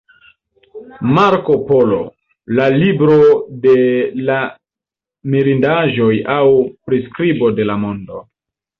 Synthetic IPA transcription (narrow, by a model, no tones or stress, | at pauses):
maɾko̞po̞lo̞̰ | lalibɾo̞de̞la | miɾindaʒojawpɾiskɾibo̞de̞lamo̞ndo̞